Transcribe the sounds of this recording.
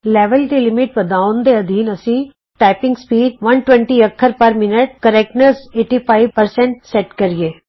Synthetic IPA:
lɛːʋəld̪iːlɪmɪʈ̚bəd̪aːʊnd̪eəd̪iːnəsĩː | ʈaːɪpɪ̃ŋɡspiːɖʋənʈwɛ̃ɳʈiːəkʰːəɾpəɾmɪnəʈ̚kəɾɛk̚nəɾseːʈiːpʰaːiʋpəɾsɛ̃ɳʈsɛʈkəɾieː

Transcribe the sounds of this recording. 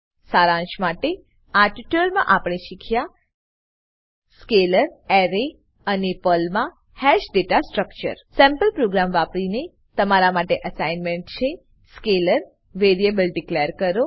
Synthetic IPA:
saɾãnʃmaʈe | aʈiʈəlmã̰ʔapɽ̃eʃikʰja | skeləɾɛɾe | ənepəlmã | hɛʃɖeʈasʈɾək̚t͡ʃə̰ɾsɛ̃mpəlpɾoɡɾamʋapɾine | t̪əmaɾamaʈeʔəsainmeɳʈt͡ʃʰe | skeləɾ | ʋeɾiebəlɖikleəɾkəɾo

